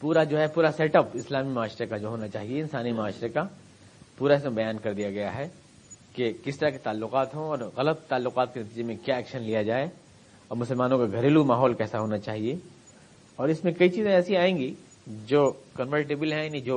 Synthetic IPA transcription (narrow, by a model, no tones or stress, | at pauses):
puːɾad͡ʒoːɦɛpuːɾaseːʈəpɪslaːmimʊaːʃɾekad͡ʒoːɦoːnat͡ʃaːɦieɪnsaːnimʊaːʃɾeka | puːɾaɪsmẽbɐjaːnkɐɾd̪ijaɡɐjaɦɛ | kekɪst̪ɐɾaket̪aːlːʊqaːt̪ɦõɔːɾɣɐlət̪ːaːlːʊqaːt̪̚kenɐt̪iːd͡ʒemẽkjaɛːkʃənlijad͡ʒaːe | ɔːɾmʊsəlmaːnõkaɡʱɐɾeːlumaːɦɔːlkɛːsaɦoːnat͡ʃaːɦie | ɔːɾɪsmẽkɐit͡ʃiːzẽɛːsiaːẽːŋɡi | d͡ʒoːkɐ̃nʋəɾʈebəlɦɛ̃janid͡ʒoː